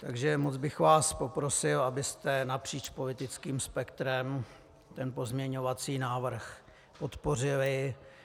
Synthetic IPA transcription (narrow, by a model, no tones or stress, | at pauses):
t̪aɡʒɛmod͡zbɪxvaːspo̞pɾo̞sɪlabɪst̪ɛnapr̝̥iːt͡ʃpo̞lɪt̪ɪt͡skiːmspɛkt̪ɾɛm | t̪ɛnpo̞zmɲɛɲo̞vat͡siːnaːvr̩x | po̞t̪po̞rɪlɪ